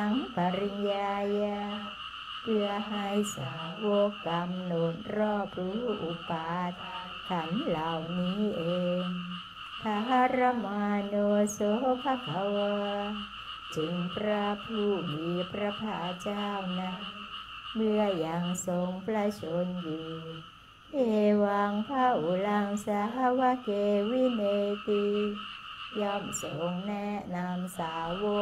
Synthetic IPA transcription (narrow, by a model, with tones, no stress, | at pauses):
a˧˥ŋpa˨˧ɾi˧njaː˧ja˧ | mɯ˧ɐɦa˧jsa̰˨˦wo˧˦kːa˧mno˨˩n̚ɾɔː˥˩p̚ɾuː˦˥ʔu˨˩paː˨t̪̚ | k̪ʰa˧˦mlaː˨˩wniː˦˥ʔeː˧ŋ | t̪ʰa˧ɦa˧ɾa˧˥maː˧noː˧so˧˦pʰa˧˦kʰa˨˦wɤ˧ | t͡ɕɯ˨˧ŋpɾa˧pʰuː˧˩miː˨˧˦pʰɾa˧pʰaː˧˩t͡ɕaː˥˩˨wna˦˥ | mɯ˧əja˨˩ŋso˨˧˦ŋpʰɾa˧t͡ɕʰo˨˧˦njuː˨˩ | ʔeː˧˩waː˧ŋpʰaː˧˥˩ʔu˨˦la˧ŋsa˧ɦa˦˥wa˧˥keː˧wi˧˨ne˧t̪i˧ | jɔː˧˩mso˨˦ŋnɛ˦˥na˧msaː˨˦wo˧˥